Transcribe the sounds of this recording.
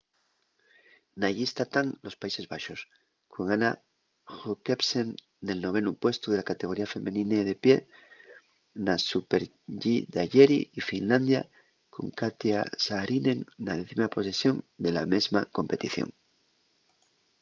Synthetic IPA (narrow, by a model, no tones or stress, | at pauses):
naʝist̪at̪aŋlo̞spaise̞zβaʃo̞s | kʰo̞ŋana | xukepsen | d̪e̞lno̞β̞e̞nupwe̞st̪uðe̞lakat̪e̞ɣ̞o̞ɾiafe̞mʔẽnĩneðe̞pje̞ | nasupeɾ | ʝid̪aʝeɾḭifinland̪ja̰ | ko̞̰ŋkat̪jasaɾineŋnaðe̞θimapo̞se̞sjo̞nd̪e̞lame̞zmako̞mpe̞t̪iθjo̰ŋ